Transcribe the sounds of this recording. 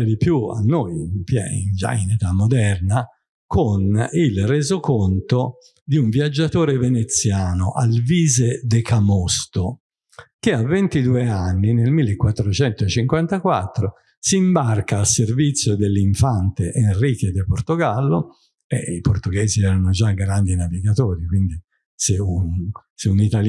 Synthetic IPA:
ed̪ipjua̰nːojmpjɛ̰ḭnd͡ʒa̰inet̪amːod̪ɛrna | konilreːzokont̪o | d̪iuɱvjad͡ʒːat̪oːɾevenet̪sːjaːnoʔalviːzed̪ekamɔst̪o | k̟ɪavːent̪id̪uːeanːinelmilːekwat̪ːɾot͡ʃɛnt̪ot͡ʃiŋkwant̪akwat̪ːɾo | siːmbarkaːlservit̪sːjod̪elːiɱfant̪eʔenrik̟ed̪eport̪oɡalːo | ɛ̰iport̪uɡɛːziɛɾanod͡ʒaɡɾand̪inaviɡat̪oːɾikwind̪i | seunseunit̪al

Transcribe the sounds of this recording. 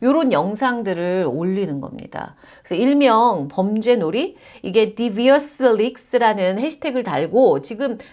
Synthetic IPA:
joɾonjʌŋsʰaŋdɯɾɯɾoʎːinɯnɡʌ̰mɲḭd̥a̰ | kɯesʰʌiɭmjʌŋpʌmd͡ʑwe̞noɾi | iɡe̞tibiʌs͈ɯlik̚s͈ɯɾanɯnhe̞ɕʰi̥tʰe̞ɡɯɭtaɭɡot͡ɕiɡɯm

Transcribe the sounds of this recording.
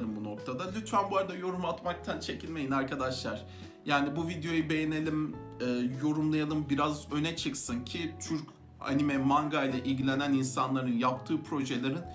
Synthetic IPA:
ɾɯmbuno̞k̚t̪ʰad̪alʲyt̪fænbuaɾad̪ajo̞ɾumat̪mak̚t̪ʰant͡ʃʰe̞cʰilʲme̞jinaɾkʰad̪aʃlˠaɾ̥ | jaːnibuvid̪ejo̞jube̞jene̞lʲim | ɛːjo̞ɾumlˠajalˠɯmbiɾazø̞nɛt͡ʃʰɯksɯncʰit͡ʃ̪ʰyɾc | a̰nimɛmaŋɡajlʲˠaʔilʲɟilʲe̞næninsanlˠaɾɯnjap̚t̪ʰɯːpʰɾo̞ʒelʲeɾɯn

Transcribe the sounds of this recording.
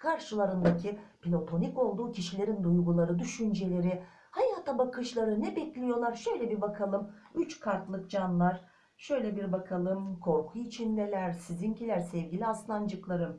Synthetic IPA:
kʰaɾʃɯlˠaɾɯnd̪acʰipʰilʲo̞t̪ʰo̞niko̞lˠd̪uːcʰiʃilʲe̞ɾind̪ujɡulˠaɾɯd̪yʃynd͡ʒe̞lʲe̞ɾɪ | hajaːt̪ʰabakʰɯʃlˠaɾɯnɛbɛclʲijo̞lˠaɾʃø̞jlʲɛbiɾbakʰalˠɯm | yt͡ʃkʰaɾt̪lˠɯk̚d͡ʒanlˠaɾ̥ | ʃø̞jlʲɛbiɾbakʰalˠɯmkʰo̞ɾkʰuit͡ʃʰind̪elʲæɾsizincʰilʲæɾsɛvɟʲilʲiaslˠand͡ʒɯklˠaɾɯm

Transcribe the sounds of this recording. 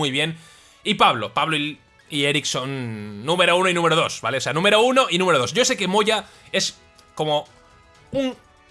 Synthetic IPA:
ujβ̞je̞n | ipaβlo̞paβloi | ie̞ɾiksonːũme̞ɾounoinũme̞ɾoðo̞sβa̰leoseanũme̞ɾouno̞ʔinũmeoðo̞sʝoese̞kemo̞ʝa | e̞s | ko̞mo̞ | uŋ

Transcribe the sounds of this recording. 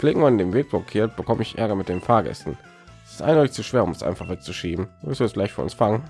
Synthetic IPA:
pleːɡŋ̩manɪndeːmveːk̚b̥okʰeːɐt̚b̥əkʰɔməɪçʔɛ̰ɐɡɐmɪt̚d̥eːmfaːɐɡɛ̰stn̩ | sɪ̥stʔa̰ɪndɔʏtɪçt͡suʃv̥eːɐʊmɛsʔa̰ɪnfaχv̥ɛk̚t͡suʃiːbm̩ːvɪstɪɛsɡ̥laɪtfynʔʊ̰nsfaŋən

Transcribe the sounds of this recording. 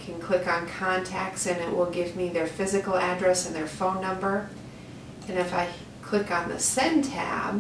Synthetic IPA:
kʰɨ̃nkʰl̥ɪkn̩kʰɑ̃ntʰæk̚tsɨ̃nɪʔ̚wɪlˠɡɪvmiðə˞fɪzɨkl̩ˠædɹɛsɨ̃nðə˞fõʊ̃nːʌ̃mbə˞ | ɨ̃nɨfaɪ | kʰl̥ɪkn̩ðɨ̰sɛ̃ntʰæ̰b

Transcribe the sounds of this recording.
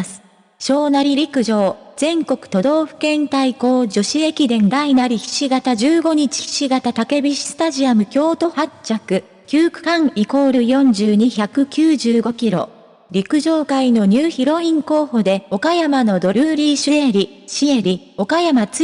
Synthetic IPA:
sɨ̥ | ɕo̞ːnaɾʲiɾʲikɯ̟ʑo̞ːz̥ẽ̞ŋko̞kɯ̟̥t̪o̞d̪o̞ːɸɯ̟̥kẽ̞nt̪aiko̞ːd͡ʑo̞ɕie̞kʲid̪ẽ̞nd̪ainaɾʲiçi̥ɕiɡat̪aʑɨːɡo̞ɲ̟it͡ɕi̥çi̥ɕiɡat̪at̪ake̞bʲiɕi̥sɨ̥t̪aʑiamɯ̟kʲo̞ːt̪o̞hat͡ɕakɯ̟ | kʲɨːkɯ̟̥kãɰiko̞ːɾɯ̟jõ̞ɲ̟d͡ʑɨːɲ̟içakɯ̟kʲɨːʑɨːɡo̞kʲiɾo̞̰ | ɾʲikɯ̟ʑo̞ːkaino̞ɲ̟ɨːçiɾo̞ĩŋko̞ːho̞d̪e̞o̞kajamano̞d̪o̞ɾʲɯːɾʲiɕɨe̞ɾʲiɕie̞ɾʲi | o̞kajamat͡s

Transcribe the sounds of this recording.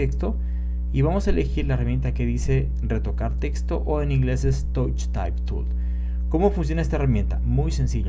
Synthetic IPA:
ekst̪o̞ | iβamo̞saele̞xiɾlaeramje̞nt̪ake̞ðise̞ | re̞t̪o̞kaɾt̪e̞kst̪oʔoenĩŋɡle̞sest̪owt͡ʃt̪a̰jpt̪ṵl | ko̞mo̞funs̬jo̞naest̪aeramje̞nt̪amujse̞nsiʎo

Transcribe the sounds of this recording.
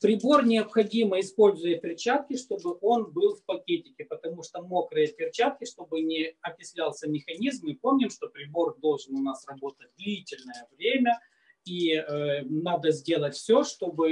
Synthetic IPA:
pɾʲɪbo̞rnʲɪɐpxɐdʲiməɪspo̞lʲzʊjəpʲɪrt͡ɕat̪̚kʲɪʂt̪o̞bɨʔo̞nbɨlˠfpɐkʲetʲɪkʲɪpət̪ɐmuʂt̪omokɾɨjəpʲɪrt͡ɕat̪̚kʲɪʂt̪o̞bɨnʲɪɐpʲɪsʲlʲalˠsʲəmʲɪxɐnʲizmɨpo̞mnʲɪmʂt̪o̞pɾʲɪbo̞rd̪o̞lˠʐɨnʊnasrɐbo̞t̪ət̚ʲd̪lʲitʲɪlʲnəjəvɾʲemʲə | iənad̪əzʲdʲe̞lˠətʲfsʲoʂt̪o̞bɨ

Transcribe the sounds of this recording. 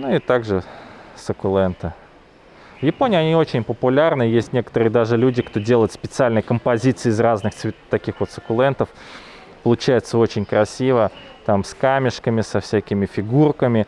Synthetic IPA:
nuɪt̪aɡʐɨsəkʊlˠɛnt̪ɨ | vjɪponʲɪːɐnʲio̞t͡ɕɪnʲpəpʊlʲarnɨjesʲtʲnʲe̞kə̥t̪əɾɨjəd̪aʐɨlʲudʲɪkt̪o̞dʲe̞lˠəjɪt̪spʲɪt̪sɨalʲnəjkəmpɐzʲit̪sɨɪːzraznɨxt̪sʲɪt̪ːɐkʲixvo̞t̪səkʊlˠɛnt̪əf | pəlˠʊt͡ɕæjɪt̪səo̞t͡ɕɪnʲkɾɐsʲivə | t̪amskamʲɪʂkəmʲɪsɐfsʲækʲɪmʲɪfʲɪɡurkəmʲɪ

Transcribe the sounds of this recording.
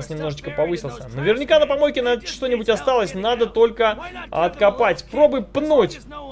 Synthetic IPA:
sʲnʲɪmno̞ʐɨt͡ɕkəpɐvɨsʲɪlˠsʲə̰nəvʲɪrnʲɪkanəpɐmojkʲɪnaʂt̪o̞nʲɪbʊtʲɐst̪alˠəsʲnad̪ət̪o̞lʲkəɐ̰t̪kɐpatʲpɾo̞bɨjpnutʲ

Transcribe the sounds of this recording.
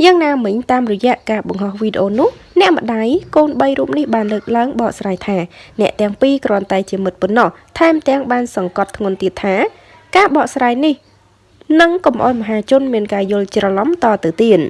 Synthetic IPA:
jaːŋnaːmɨɲt̪aːmrɔjɛ̆əʔkaːɓɑŋɦɑhʋiːɗeʔoːnʊ̆əh | nɛ̆əʔmə̆ɗaːjkoːnɓəjruːp̚nihɓaːnləːk̚laəŋɓɑːʔsraːjt̪ʰaːnɛ̆əʔt̪ɛ̆əŋpiːkrɔ̆ənt̪aɛt͡ɕiəmɨt̪̚ponːɑht̪ʰaɛmt̪ɛ̆əŋɓaːnsɑŋkɑt̪ʰːŋʊ̆nt̪iət̪ʰːaː | kaːɓɑːʔsraːjnih | nɨŋkɑmʔa̰ɔjmɔɦaːt͡ɕʊ̆ənmiənkaːjʊ̆əlt͡ɕrɑlɑmt̪ɑːt̪ɨwt̪iət̪̚

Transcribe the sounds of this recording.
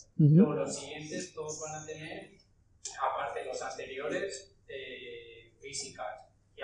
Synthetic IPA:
m̩olosiɣje̞nt̪e̞st̪oðozβanat̪e̞ne̞ɾ | apaɾt̪elo̞sant̪e̞ɾjo̞ɾe̞s | e | bisikas | i

